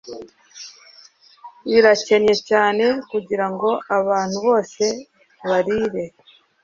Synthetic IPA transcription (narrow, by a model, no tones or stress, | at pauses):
iɾace̞nɲe̞caːne̞kuɟiɾaŋɡo̞ʔaβaːn̥huβo̞ːse̞ | βaɾiːɾe̞